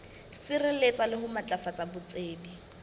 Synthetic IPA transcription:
sɪrɪlet͡sʼalɪɦʊmat͡ɬʼafat͡sʼabʊt͡sʼeːbi

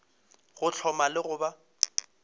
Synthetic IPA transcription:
ɣʊt͡ɬʰɔmalɪɣʊba

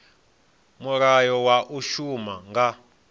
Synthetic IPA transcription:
muɾajɔwaʔuʃumaŋɡa

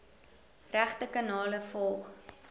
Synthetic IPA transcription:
ræχtəkɑnɑːləfɔlˠχ

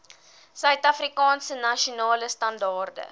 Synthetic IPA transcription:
sœɥtɐfrikɑːnsənɐʃonɑːləstɐndɑːrdə̰

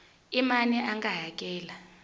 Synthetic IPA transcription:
imaniʔaŋɡaɦak̬ʼɛːla

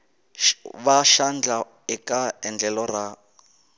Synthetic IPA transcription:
βaʃand͡ɮa | ɪkʼaɛnd͡ɮɛlɔra

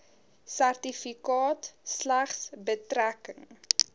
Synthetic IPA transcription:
særtifikɑːtslæχsbətɾækəŋ

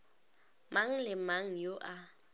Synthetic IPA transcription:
maŋ̩lɪmaŋ̩joʔa

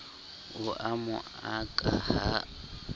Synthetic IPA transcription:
ʊʔamʊ | akʼaha

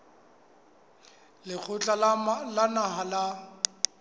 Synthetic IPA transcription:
lɪk͡xʰʊt͡ɬʼalanaɦala

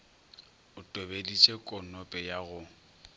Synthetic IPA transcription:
ʊtʼobedit͡ʃʼɛkʼɔnɔpʼɛjaɣʊ

